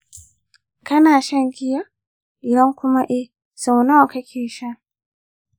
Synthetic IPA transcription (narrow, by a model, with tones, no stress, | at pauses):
kʰa˦na˨ʃa˦ŋɡi˦ja˦ | i˨ɾa˦ŋ˦ku˦ma˦ʔi˦ | sa˨u˨na˦a˨kʰa˦kʰi˦˨ʃa˦